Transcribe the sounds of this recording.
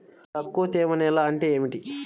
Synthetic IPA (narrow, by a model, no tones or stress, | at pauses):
t̪ɐkːoːt̪eːmɐnɛːlaːɐɳʈeːeːmiʈi